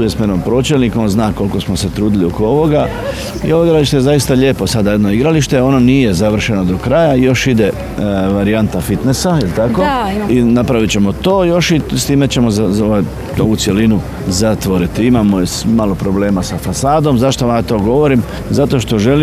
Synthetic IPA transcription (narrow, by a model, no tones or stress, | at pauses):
ujesmenompɾo̞t͡ɕelnikonznaːko̞lko̞smose̞t̪ɾuːd̪ilio̞koo̞ʋo̞ɡa | ḭo̞ʋoiɡɾaliʃt̪eezajist̪aʎe̞po̞sad̪ajed̪no̞iɡɾaliʃt̪e̞o̞nonije̞zaʋr̩ʃe̞no̞d̪o̞kɾajaijo̞ʃid̪e̞ | ʋaɾiant̪afit̪ne̞sailit̪akoinapɾaʋit͡ɕe̞mo̞t̪o̞ːjo̞ʃist̪iːme̞t͡ɕe̞mo̞zaoʋo | noʋut̪sje̞linu | zat̪ʋo̞ɾit̪iimamosmalo̞pɾo̞ble̞ːmasafasaːd̪o̞mzaʃt̪oʋamat̪o̞ːɡo̞ʋoɾim | zat̪o̞ʃt̪o̞ʒe̞li